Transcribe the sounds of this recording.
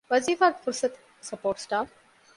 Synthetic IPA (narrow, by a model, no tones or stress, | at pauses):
ʋɐziːfaɾfʊɾsɐt̪ | sɐpoːɾʈsʈaːf